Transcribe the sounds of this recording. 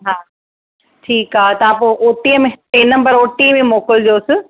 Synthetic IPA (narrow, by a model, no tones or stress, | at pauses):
ɦaː | ʈʰiːkaːt̪ɐãpoʔoːt̪iə̃mẽʈeːnɐ̃mbəɾoːʈimẽmoːkəld̪ioːsɪ